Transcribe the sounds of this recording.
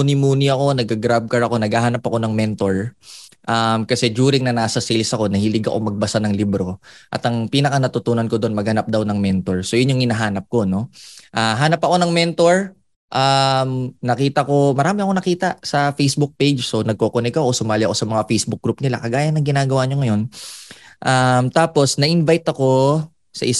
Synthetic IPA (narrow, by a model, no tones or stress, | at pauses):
nɪmuːnɪɐko̞nɐɡ̚aɡɾab̚kɐɹɐko̞nɐɡahanɐpɐko̞nɐŋmɛnt̪o̞ɹʔamkɐsɛd͡ʒuːɾɪŋnɐnaːsɐsilsɐko̞nɐhiːlɪɡɐ̰ko̞ŋmɐɡ̚bɐsanɐŋlibɾo̞ʔɐt̪ɐŋpiːnɐkɐnɐt̪ʊt̪uːnɐnkod̪o̞nmɐɡhɐnap̚d̪awnɐŋmɛnt̪o̞ɹso̞jʊnjʊŋhɪnɐɦaːnɐp̚ko̞no̞ʔaɦaːnɐpɐko̞nɐŋmɛnt̪o̞ɹ | ʔamnɐkiːt̪ɐko̞mɐɾaːmɪɐko̞nɐkiːt̪ɐsɐfejsbʊk̚pejd͡ʒso̞nɐɡ̚koːkonɛkɐʔosʊmaːlɪɐko̞sɐmɐŋafejsbʊk̚ɡ̥ɾup̚nɪla̰kɐɡaːjɐnːɐŋɡɪnaːɡɐwaɲoŋɐj̞n | ʔamt̪aːpo̞snɐʔɪnvajt̪ɐko̞ | sɐ̰ʔɪ